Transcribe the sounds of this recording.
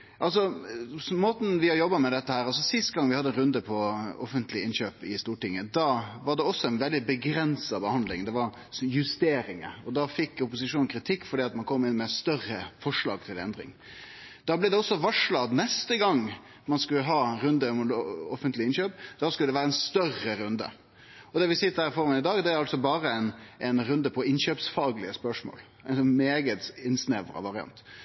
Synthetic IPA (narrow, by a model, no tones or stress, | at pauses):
ʔɑls̬ɔ | moːt̪n̩ʋɪhɑɾjɔbːɑmɛd̪ɛt̪ːəhæːɾɑls̬ɔsɪst̪ɡɑŋʋɪhɑd̪əɛnɾʉnd̪əpʰɔɔfənt̪lɪɪnɕøːpɪst̪uːʈɪŋːəd̪ɑːʋɑɖɛɔsːɔɛnʋɛld̪ɪbəɡɾɛnsɑbəhɑnd̪lɪŋd̪ɛʋɑɾ | jʉst̪eːɾɪŋə̰ɔd̪ɑfɪkːʊpʊs̬ɪʂuːnn̩kʰɾɪt̪ʰɪkːfɔɖiːɑt̪mɑnkʰɔmːɪnːmɛst̪œɾəfɔʂɭɑ̰ːɡ̚t̪ʰɪlɛ̰nd̪ɾɪ̰ŋ | d̪̥ɑːblɛɪd̪ɛɔsːɔʋɑʂɭɑd̪nɛst̪əɡɑŋː | mɑnskʉlːəɦɑːɾʉnd̪əmʊlɔfənt̪lɪɪnɕøːpd̪ɑːskʉləd̪ɛʋæːɾəɛnst̪œrəɾʉnd̪ə̰ | ɔd̪ɛʋɪsɪt̪ːəd̪æɾɪfɔɾmɛnɪd̪ɑːɡd̪ɛæɾɑlsɔbɑːɾəɛɪnʔɛɪnɾʉnd̪əpʰɔɪnɕøːpsfɑːɡlɪəspœʂmo̰ːl | æɪnsɔnmeːɡət̪ɪnsneʋə̰ɾə̰ʋɑɾɪɑ̰nt̪